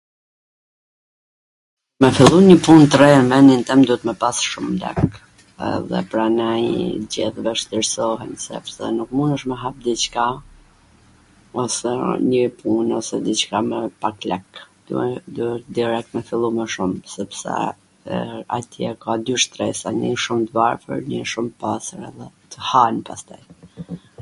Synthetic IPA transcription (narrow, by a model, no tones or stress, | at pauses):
mɛfilˠuɲəpunt̪ɾɛɛnvɛnint̪ɛmd̪uɛt̪mɛpasʃumlɛ̰k | ɛ̰ðɛ̰pɾanɛjd͡ʑḭθvɛʃt̪iɾsɔɦɛnsɛ̰psɛnuk̚munəʃməɦap̚d̪it͡ʃka | ɔsɛnəpʰunɔsɛd̪it͡ʃkamɛpaklɛkd̪̥ṵɛd̪ud̪iɾɛk̚t̪mɛfilˠumɛʃumsɛpsɛ̰ | a̰t̪ʰiakad̪yʃt̪ɾɛsaniʃumt̪vaɾfə̰ɾnəʃumpasəɾɛ̰ðɛt̪ʰəhanpast̪aj